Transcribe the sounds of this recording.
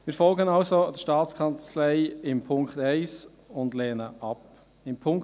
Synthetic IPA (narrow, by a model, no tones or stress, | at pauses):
mɪːɾfɔlɡənɑlsodʃtɑːtt͡skʰɑnt͡slaɪɪmpʰʊŋktaɪs | ʊndlɛːnəʔɑp | ɪmpʰʊŋ